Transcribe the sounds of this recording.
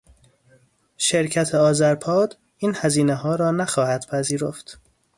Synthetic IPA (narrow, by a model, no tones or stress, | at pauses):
ʃe̞ɾcʰæt̪ʰeɒːzæɾpʰɒːd̪ | iːnhæziːneɦɒːɾɒːnæxɒːhæd̪̥pʰæziːɾoft̪